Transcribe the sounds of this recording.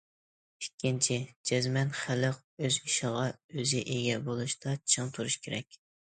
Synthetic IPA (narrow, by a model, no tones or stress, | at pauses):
ikʲːint͡ʃʰid͡ʒɛzmɛnχæləq̚ | øziʃəʁɑøzɪʔeɡʲɛbolˠuʃt̪ɑt͡ʃʰɨŋt̪ʰuɾuʃkʲʰeɾɛ̰kʲ